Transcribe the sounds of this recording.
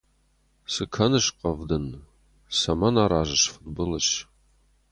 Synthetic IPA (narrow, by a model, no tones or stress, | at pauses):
sɨkʰɐnɨʃqɐvdɨn | sɐmɐnaːɾaːʒɨʃfɨtbɨlɐɕ